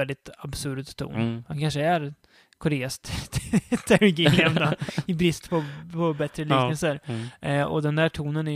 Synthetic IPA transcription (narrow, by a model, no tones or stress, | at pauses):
ɛld̪ɪt̪absɵɾd̪t̪ʰːṵːnhankʰanʂəæɾ | kʰɔɾeːast̪ | t̪ʰæɾɡɪɛmd̪aɪbɾɪst̪pʰɔpʰɔbɛt̪ɾəlyːknəlsəɾ | ɔ̰d̪ɛnd̪æːʈʰuːnənæ